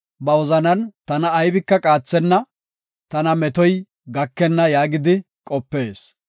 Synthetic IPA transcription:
bɐwɔzɐnɐnt̪ɐnɐːjbɪkːɐkʼaːt͡sːɛnːɐ | t̪ɐnɐmɛt̪ɔj | ɡɐkːɛnːɐjaːɡɪd̪ɪ | kʼɔpːe̞ːs

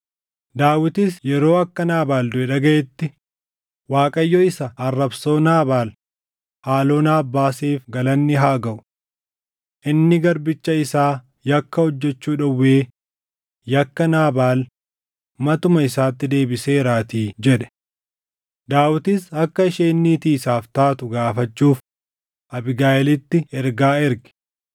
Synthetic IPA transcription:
d̪aːwɪt̪ɪsjɛɾo̞ːɐkːɐnaːbaːld̪ʊɛᶑɐɡɐʔɛt̪ːɪ | waːkʼɐjːɔɪsɐɐrːɐbso̞ːnaːbaːl | haːlo̞ːnaːbːaːseːfɡɐlɐnːɪɦaːɡɐʔʊ̥ | ʔɪnːɪɡɐɾbɪt͡ʃːɐɪsaː | jɐkːɐhɔd͡ʒːɛt͡ʃːuːᶑɐwːeː | jɐkːɐnaːbaːl | mɐt̪ʊmɐɪsaːt̪ːɪd̪e̞ːbɪse̞ːɾaːt̪iːd͡ʒɛᶑɛ̥ | d̪aːwɪt̪ɪsɐkːɐɪʃeːnːiːt̪iːsaːft̪aːt̪ʊɡaːfɐt͡ʃːuːf | ʔɐbɪɡaːjɛlɪt̪ːɪɛɾɡaːɛɾɡɪ̥

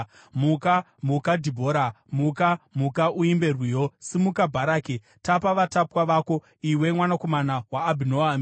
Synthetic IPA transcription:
muka | mukadʱibʱo̞ːɾa | mukamukaʔuimbe̞rwijo̞simukabʱaɾaːke | tapaʋatapwaʋaːko̞ | iwe̞mwanako̞manawaːbʱinoam

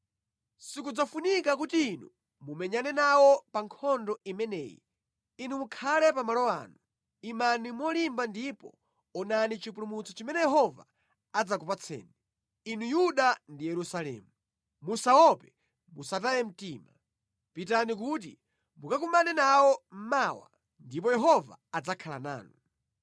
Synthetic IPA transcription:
sikud͡zafunikak̬utiːnu | mumɛɲanɛnawɔpaŋkʰɔndɔimɛnɛ̰ːjḭ | inumukʰalɛpamalɔa̰ːnu | imanimwɔlimbandipɔ̰ | ɔnanit͡ʃipulumut͡sʰɔt͡ʃimɛnɛjɛɦɔva̰ | ad͡zakupat͡sʰɛ̰ːni | inujuɗandijɛɾusalɛ̰ːmu | musawɔpɛ | musat̬ajɛm̩tiːma | pitanikut̬i | mukakumbanɛnawɔm̩mawa̰ | ndipɔjɛɦɔva̰ad͡zakʰala̰na̰ːnu

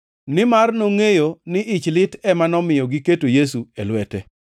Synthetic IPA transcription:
nɪmarnoŋejonɪʔɪt͡ʃlɪtɛmanɔmɪjɔɡiketojes̬uelwɛtɛ

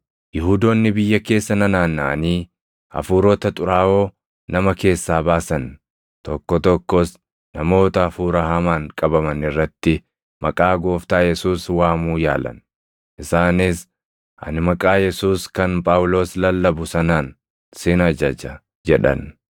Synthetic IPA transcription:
jɪhuːd̪oːnːɪbɪjːɐke̞ːsːɐnɐnaːnːɐʔɐniː | ɐ̰fuːɾot̪ɐt̪ʼʊɾaːʔo̞ː | nɐmɐke̞ːsːaːbaːsɐn | t̪ɔkːɔt̪ɔkːɔs | nɐmo̞ːt̪ɐːfuːɾɐhɐmaːŋkʼɐbɐmɐnɪrːɐt̪ːɪ | mɐkʼaːɡo̞ːft̪aːjɛsuːswaːmuːja̰ːlɐ̰n | ʔɪsaːnɪs | ʔɐ̰nɪmɐkʼaːjɛsuːskɐnpʼaːwʊlo̞ːslɐlːɐbʊsɐnaːn | sɪnɐd͡ʒɐd͡ʒɐ | d͡ʒɛᶑɐ̰n

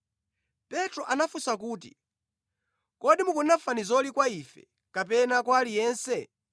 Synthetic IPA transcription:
pɛtɾɔʔanafusak̬uːt̬ḭ | kɔɗimukunafanizɔlikwaifɛ̰ | kap̬ɛnakwalijɛːnsɛ

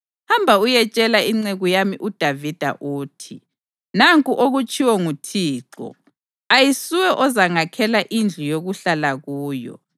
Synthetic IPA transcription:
hambʱaujɛt͡ʃʼɛlaiŋ͡ǀeɣujamiʔud̥ʱavid̥ʱa̰ʔuːtʰi | naŋkʼuʔoɣut͡ʃʼiwɔŋutʰiːǁɔ̰ | ajisiwɛʔɔzaŋakʰɛlaʔind͡ɮʱujoɣuɬalaɣuːjɔ̰

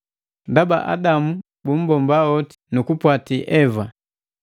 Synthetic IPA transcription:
ndaba̰ʔa̰damu | bum̩bɔmbaɔti̥nukupwatiʔɛva

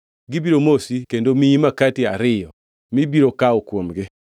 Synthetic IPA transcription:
ɡɪbiɾomosikendomiimakatiaɾɪjɔ | mibiɾokaokwomɡɪ

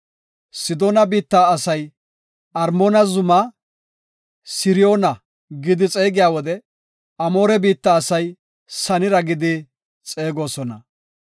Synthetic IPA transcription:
sɪd̪o̞ːnɐbiːt̪ːaːsɐj | ɐɾmoːnɐzʊmɐ | sɪɾɪjo̞ːnɐ | ɡɪd̪ɪt͡sʼe̞ːɡɪjaːwɔd̪ɛ | ɐmo̞ːɾɛbiːt̪ːaːsɐj | sɐnɪɾɐɡɪd̪ɪ | t͡sʼe̞ːɡo̞ːsɔnɐ̰

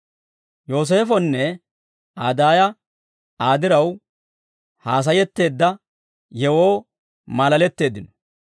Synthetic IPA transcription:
jo̞ːs̬e̞ːfɔnːɛ | aːd̪aːjɐ | aːd̪ɪɾɐw | haːs̬ɐjɛt̪ːe̞ːd̪ːɐ | jɛwo̞ː | malɐlɛt̪ːe̞ːd̪ːɪnɔ̥

